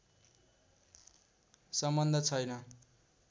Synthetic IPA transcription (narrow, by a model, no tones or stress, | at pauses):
sʌmbʌnd̪ʱʌt͡sʰʌjnʌ